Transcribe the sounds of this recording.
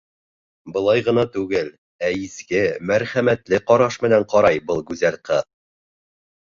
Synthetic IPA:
bɤ̆lˠɑjʁɤ̆nɑt̪ʉɡɘl | æiskɘmæɾχæmæt̪lɘqɒɾɑʃmɘ̆næɴqɒɾɑjbɤlˠɡʉzælqɤ

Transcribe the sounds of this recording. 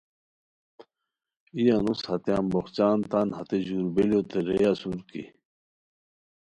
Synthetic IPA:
ijanushɐt̪eaːmboxt͡ɕaːnt̪anhɐt̪eʑuɾbeljot̪eɾejasuɾkḭ

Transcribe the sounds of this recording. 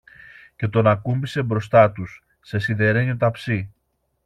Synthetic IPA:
ce̞t̪o̞nɐkumbise̞bɾo̞st̪ɐt̪usː | e̞siðe̞ɾe̞ɲot̪ɐpsi

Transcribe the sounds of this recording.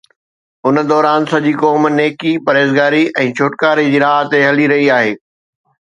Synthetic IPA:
ʊnəd̪ɔːɾaːnsɐʄiːkɔːmneːkipɐɾeːzɡaːɾiʔɛ̃ːt͡ɕʰoːʈkaːɾid͡ʑiːɾaːɦt̪eɦɐliɾɐɦiaːɦeː

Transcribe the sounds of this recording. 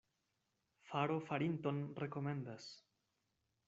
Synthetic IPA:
faɾofaɾint̪onre̞ko̞me̞nd̪as

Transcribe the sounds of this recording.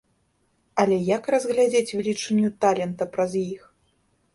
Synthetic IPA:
ɐlʲɛjɐkrɐzɣlʲad͡zʲet͡sʲvʲlʲit͡ʂɛnʲːut̪alʲɛnt̪ɐpɾɐzjix

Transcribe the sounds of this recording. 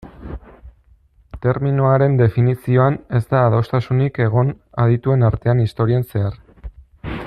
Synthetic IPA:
t̪e̞ɾminoaɾe̞nd̪e̞finisio̞ane̞zt̪aːðo̞st̪asunike̞ɣ̞o̞n | aðit̪ue̞naɾt̪e̞anist̪o̞ɾiense̞ar

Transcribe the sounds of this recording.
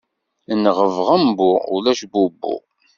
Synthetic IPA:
nʁəvʁəmbʊʊ̰læʃbubːʊ̰

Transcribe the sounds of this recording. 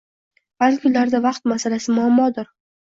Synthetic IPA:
b̥akʰʊnlaɾd̪avɑqt̪masalasɪmʊamːɒd̪ʊɾ

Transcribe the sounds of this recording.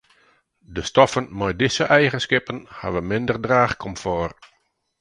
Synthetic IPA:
dəstɔfənmɔjdɪsəʔɛjɣənskɪpənha̰ʋəmɪndərdraːxkʰɔmfɔːr

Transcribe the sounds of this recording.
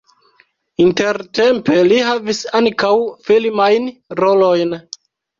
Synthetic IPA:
inte̞ɾte̞mpe̞lihavisaŋkawfilmajnɾo̞lojn

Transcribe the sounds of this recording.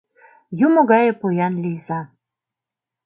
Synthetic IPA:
jumoɣɑjɤ̆pojɑnlʲijzɑ

